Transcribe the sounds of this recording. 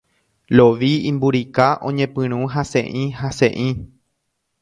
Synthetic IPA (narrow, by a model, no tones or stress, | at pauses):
loʋiĩmbuɾikaʔõ̰ɲẽpɨ̃ɾ̃ũɦasḛ̃ʔĩhasḛ̃ʔĩ